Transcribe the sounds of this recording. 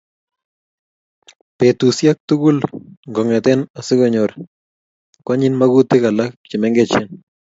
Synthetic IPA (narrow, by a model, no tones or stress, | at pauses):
pet̪usjak̚t̪ʊkʊlŋɡɔŋɛt̪ɛnasɪkɔɲɔɾ | kwaɲɪnmakut̪ɪkalak̚t͡ʃɪmɛŋɡɛt͡ʃɛn